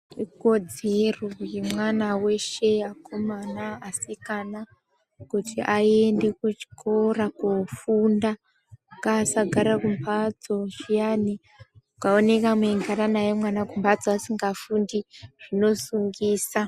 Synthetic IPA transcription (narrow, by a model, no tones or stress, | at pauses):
iko̞d͡zerojemwanawe̞ʃeakʰomanaːsikana | kutʰiʔaende̞kut͡ʃi̥kʰorakofunda | kasaɡʱaɾakumbad͡zo̞ʃijani | ukaone̞kamweŋɡʱaɾanajemwanakumbad͡zoasiŋɡafundiʐ̥ino̞suŋɡiːsa